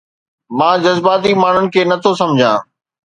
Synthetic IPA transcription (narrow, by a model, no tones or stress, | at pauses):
mãːd͡ʑɐzbaːt̪imaːɳ̤ʊnɪ̆kʰeːnɐt̪ʰos̬ɐmd͡ʑʱãː